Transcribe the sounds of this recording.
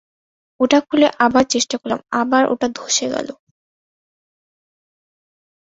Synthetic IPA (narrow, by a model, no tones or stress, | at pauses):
oʈakʰuleʔabaɾt͡ɕeʃʈakoɾla̰mabaɾʔo̰ʈad̪ʱoʃeɡa̰lo